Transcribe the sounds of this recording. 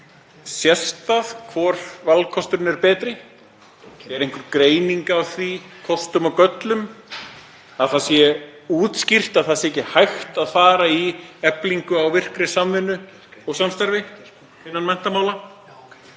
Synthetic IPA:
sjɛst̪aðkʰvɔːɾ̥valkʰɔst̪ʏɾʏnɛɾpɛːt̪ɾɪ | ɛɾejŋ̥kʏɾkɾeːjniŋkawθvikʰɔst̪ʏmɔwkœt̪lʏm | aðθasjɛuːt̪scir̥t̪aðθasɪɛcɪhajxt̪aðfaːɾaiɛpliŋkʏawvɪr̥kɾɪ̥samvɪnːʏ | ɔɣsamst̪aɾvɪ | ɪnːanmɛn̥t̪amaːwla

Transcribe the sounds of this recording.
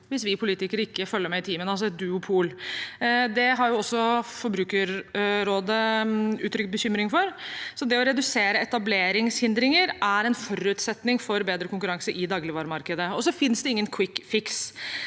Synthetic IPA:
ʋɪsʋɪpʰʊliːt̪ɪkəɾəɪkːəfœlːəɾmɛɪt̪ʰiːmənɑls̬ɔɛt̪̚d̪ʉːʊpʰuːl | d̪ɛɦɑɾjʊɔsːɔfɔɾbɾʉːkəɾːoːd̪əʉːt̪ʰɾʏkt̪̚bəçʏmɾɪŋfɔɾsɔd̪ɛɔɾɛd̪ʉseːɾəɛt̪ɑbleːɾɪŋshɪnd̪ɾɪŋəɾʔæɾɛnfɔɾʉt̪sɛt̪nɪŋfɔɾbeːd̪ɾəkʊŋkʉɾɑŋsəɾʔɪd̪ɑːɡlɪʋɑːɾmɑɾkəd̪əɔsɔfɪnsd̪ɛɪŋːənkʰwɪkːfɪks

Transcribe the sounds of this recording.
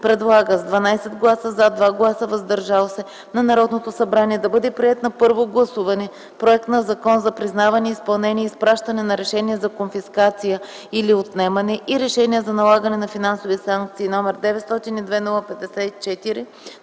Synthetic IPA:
pɾɛd̪lˠaɡəzd̪vɐnajsɛd̪ɡlˠasəzad̪vaɡlˠasəvɐzd̪ɐɾʒalˠosɛ | nɐnɐɾɔd̪not̪osɐbɾaniɛd̪ɐbɤd̪ɛpɾiɛt̪nɐpɤɾvoɡlˠɐsuvɐnɛ | pɾoɛk̚t̪nɐzɐkɔnzɐpɾiznavɐniəispɐlˠnɛnʲiɛispɾaʃt̪ɐnɛnɐɾɛʃɛniɛzɐkonfiskat̪sijə | iliot̪nɛmɐnɛʔiɾɛʃɛniəzɐnɐlˠaɡənɛnɐfinansovisaŋk̚t̪siːnɔmɛɾd̪ɛvɛt̪st̪ɔt̪inid̪vɛnɔlˠɐpɛd̪ɛsɛt̪it͡ʃɛt̪iɾi

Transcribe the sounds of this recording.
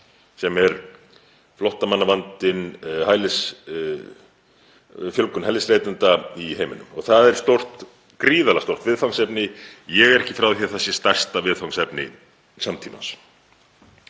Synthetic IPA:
sɛmɛɾ | flɔht̪amanːavant̪ɪnhaːjlɪs | fjœlkʏnhɛlɪsleːjt̪ʏnt̪aiheːjmɪnʏmɔ̰ɣθaðɛɾ̥st̪owr̥t̪ | kɾiːðalast̪owr̥t̪vɪðfawnsɛpnɪjɛɣɛɾɛhcɪ̥fɾawðçɛ̥θɛsːɪst̪ajr̥st̪avɪðθfawnsɛpnɪ̰ | samt̪ʰiːna̰ns

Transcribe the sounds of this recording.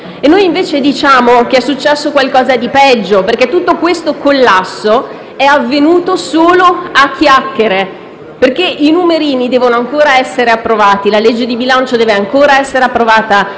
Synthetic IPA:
enːojiɱveːt͡ʃed̪it͡ʃaːmokeɛsːut͡ʃːɛsːokwalkɔːzad̪ipɛd͡ʒːoperk̟et̪ːut̪ːokwest̪okolːasːo | ɛavːenuːt̪osoːloakʰːjakːeɾe | perkeʔinumeɾiːnid̪ɛːvonoaŋkoːɾaɛsːeɾeapːɾovaːt̪ilaled͡ʒːed̪ibilant͡ʃod̪ɛːveaŋkoːɾaɛsːeɾeapːɾovaːt̪a

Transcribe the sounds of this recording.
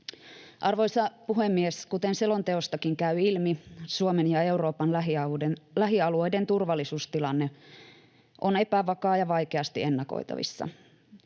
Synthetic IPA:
ʔɑrʋo̞jsɑpuɦemːieskut̪enselo̞nt̪eost̪ɑkiŋkæyilmisuomenjɑeuro̞ːpɑnlɦiɑelæɦiɑluo̞jde̞nt̪urʋɑlːˑisuːst̪ilɑnːe | ʔone̞pæʋɑkɑːjɑʋɑikeɑst̪iʔe̞nːɑko̰it̪ɑ̰ʋḭsːɑ̰

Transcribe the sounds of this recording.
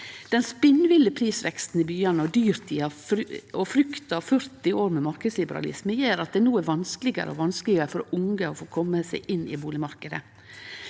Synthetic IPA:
d̪̥ɛnspɪnːʋɪləpʰɾiːsʋɛkst̪n̩ɪbyːɑnəɔd̪yːɾt̪ʰiɑɔfɾʏkt̪ɑʋfœɾt̪ɪoːɾmɛmɑɾkəslɪbəɾɑ̰lɪ̰sməjeːɾɑt̪̚d̪ɛnuːæɾʋɑnskəlɪɡə̰ɾə̰ɔ̰ʋɑnsklɪɡəɾəfɔɾʊŋɡəɔfoːkʰɔmːəsæɪʔɪnɪ̰buːlɪmɑɾkəd̪ə̰

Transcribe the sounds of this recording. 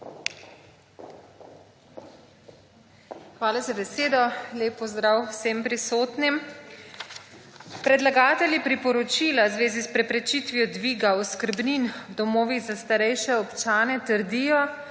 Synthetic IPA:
xʋaːlazabɛseːd̪ɔleːpːɔzd̪ɾawsempɾisoːt̪nim | pɾɛd̪laɡaːt̪ɛlʲjipɾipɔɾɔt͡ʃiːlawzʋeːzispɾɛpɾɛt͡ʃit̪ʋijɔd̪ʋiːɡaɔskəɾbnind̪ɔmoːʋiɣzast̪aɾɛjʃɛɔpt͡ʃaːnɛt̪əɾd̪iːjɔ

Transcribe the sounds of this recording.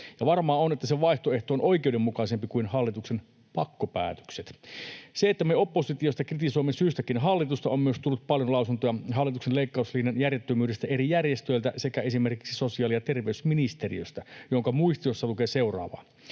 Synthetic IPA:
jɑʋɑrmɑːonet̪ːæseʋɑiht̪oe̞ht̪oonʔo̞ikeudemːukɑise̞mpikuinhɑlːit̪uksen | pɑkːopæ̰ːt̪ø̥kset̪seet̪ːæmeo̞pːo̞sit̪iost̪ɑkrit̪iso̞imːesyːst̪ækinɦɑlːit̪ust̪ɑommyøst̪ulːut̪̚pɑljo̞nlɑusunt̪ojɑɦɑlːit̪uksenleikːɑusliːnjɑnjærjet̪ːømyːdest̪æe̞ɾijærjest̪øjlt̪æ̰sekæe̞sime̞rki̥ksi̥so̞siɑːliɑt̪e̞rʋeysminist̪erḭøst̪æjoŋkɑmuist̪iosːɑlukeːse̞uwrɑ̰ːʋɑ̰ː

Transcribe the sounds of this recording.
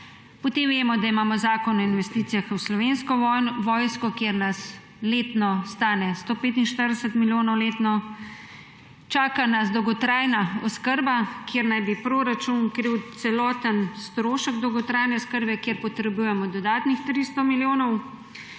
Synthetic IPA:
pɔt̪eːmʋeːmɔd̪aimaːmɔzaːkɔnɔinʋɛst̪it̪sijaxwslɔʋeːnskɔʋɔːjskɔkjeɾnas | leːt̪nɔst̪aːnɛst̪oːpeːt̪inʃt̪əɾd̪ɛsət̪miljoːnɔwleːt̪nɔ | t͡ʃaːkanazd̪ɔwɡɔt̪ɾajnaɔskəɾbakjeːɾnajbipɾoːɾat͡ʃunkɾiwt̪sɛlɔːt̪ənst̪ɾoːʃəɡd̪ɔwɡɔt̪ɾaːjnɛɔskəɾbɛkjeːɾpɔt̪ɾɛbujɛmɔd̪ɔd̪aːt̪nixt̪ɾist̪ɔmiljoːnɔw

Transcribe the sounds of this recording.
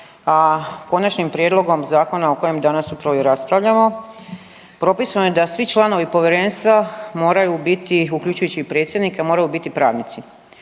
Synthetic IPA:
ako̞nat͡ʃnimpɾije̞d̪lˠoɡo̞mzaːko̞naoko̞je̞md̪anasupɾaʋoɾaspɾaʋʎamo̞ | pɾo̞pisanojed̪asʋit͡ʃlˠano̞ʋipo̞ʋʲjeɾe̞nst̪ʋamo̞ːɾajubit̪iuklʎut͡ʃujut͡ɕiːpɾet̪sjed̪nikamo̞ːɾajubit̪ipɾaːʋnit̪si

